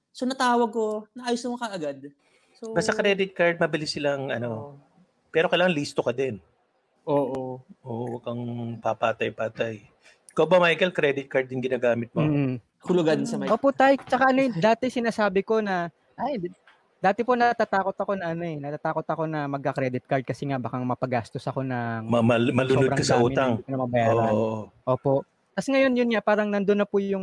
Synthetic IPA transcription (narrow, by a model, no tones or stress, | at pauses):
sonɐt̪aːwɐɡ̚konɐʔaːjosnɐmokɐʔɐɡad̪̚ | sobɐst̪ːɐkɾɛːd̪ɪt̪̚kaɹd̪̚mɐbɪlɪsɪlaŋɐno | pɛːɾo̞kɐjlaːŋɐŋliːst̪okɐd̪ɛn | ʔoːʔoʔoːʔowɐɡɐŋpɐpaːt̪ɐjpaːt̪aj | ɪkɐwbɐmajkɛlkɾɛd̪ɪt̪̚kaɹd̪̚jɪnɡɪnaːɡaːmɪt̪̚mom̩ː | kʊlʊɡad̪ɪnsɐmajʔoːpoʔt̪ajɪt͡ʃɐkaʔɐnojd̪aːt̪ɛsɪnaːsaːbɪko̞nɐ | ʔaj | d̪aːt̪ɛpo̞nɐt̪aːt̪aːko̞t̪ɐko̞nɐʔɐno̞ʔɛnɐt̪aːt̪aːko̞t̪ɐko̞nɐmɐɡ̚kɐkɾɛd̪ɪt̪̚kɐɾd̪̚kɐsɛŋabakaŋmɐpɐɡaːst̪o̞sɐko̞nɐŋmɐmɐmɐlʊlodɾɐkɐsɐʔuːt̪ɐŋkɐnɐmɐbɐjaːoɾʔʔoʔo̞ːpo̞ʔ | t̪ɐsŋɐjo̞njʊnŋapaːɾɐŋnɐnd̪onːɐpʊjjʊŋ